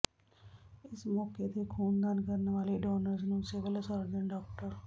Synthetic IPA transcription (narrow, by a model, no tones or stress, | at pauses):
ɪsmɔːket̪ekʰuːnd̪ankəɾneʋaːliɖɔːnəɾznũːseʋəlsɔɾd͡ʒ̪əɳɖɔːk̚ʈəɾ